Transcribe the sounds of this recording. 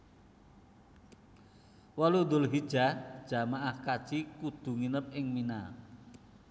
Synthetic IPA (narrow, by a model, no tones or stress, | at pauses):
walund̪ʊlɦid̥ʒ̥a̤d̥ʒ̥ä̤maʔahkad̥ʒ̥ikud̪̥ṳŋinəp̚ɪŋmina